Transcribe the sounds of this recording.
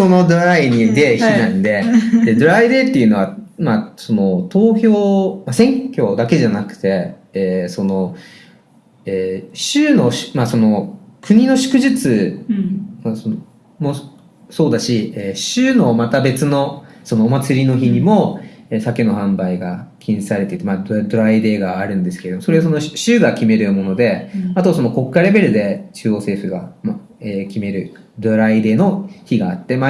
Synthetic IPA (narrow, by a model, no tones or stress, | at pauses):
so̞no̞d̪oɾaiɲ̟id̪e̞çinãnd̪e̞d̪e̞d̪oɾaid̪e̞ːt̪ːe̞iɯ̟no̞βamaso̞no̞t̪o̞ːçʲo̞ːmasẽ̞ŋkʲo̞ːd̪ake̞ʑanakɯ̟̥t̪e̞ | eːso̞no̞ | eːɕɨːno̞ɕmaso̞no̞kɯ̟ɲ̟ino̞ɕɨ̥kɯ̟ʑit͡sɨ | mason | mo̞ | so̞ːd̪aɕieːɕɨːno̞mat̪abe̞t͡sɨno̞so̞no̞ːmat͡sɨɾʲino̞çiɲ̟imo̞esake̞no̞hãmbaiɡakʲĩñsɨ̥saɾe̞t̪eit̪ːemad̪d̪o̞ɾaid̪e̞ːɡaːɾɯ̟̃nd̪e̞sɨ̥ke̞eomosoɾeso̞no̞ɕɕɨːɡakʲime̞ɾɯ̟mo̞no̞d̪e̞at̪o̞so̞no̞ko̞kːaɾe̞be̞ɾɯ̟d̪e̞t͡ɕɨːo̞ːse̞ːɸɯ̟ɡama | eːkʲime̞ɾɯ̟ | d̪o̞ɾaid̪e̞ːno̞çiɡaːt̪ːe̞ma